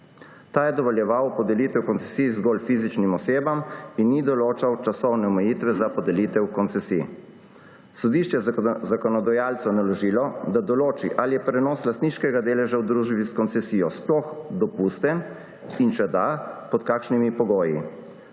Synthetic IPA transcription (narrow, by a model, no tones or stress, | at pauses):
t̪aːjɛd̪ɔʋɔljɛʋawpɔd̪ɛlit̪ɛwkɔnsɛsizɡolfizit͡ʃnimɔseːbaminːid̪ɔloːt͡ʃawt͡ʃasɔwnɛɔmɛjiːt̪ʋɛzapɔd̪ɛliːt̪ɛwkɔnt̪sɛsḭ | sɔd̪iʃt͡ʃɛjzakɔnɔd̪ajaːlt̪sɔnalɔʒiːlɔd̪ad̪ɔloːt͡ʃiʔalijɛpɾɛnɔːslast̪niːʃkɛɡad̪eːlɛʒawd̪ɾuʒbiskɔnt̪sɛsijɔsplɔxd̪ɔpust̪ɛn | inʃɛd̪apɔt̪kakʃnimipɔɡoːjḭ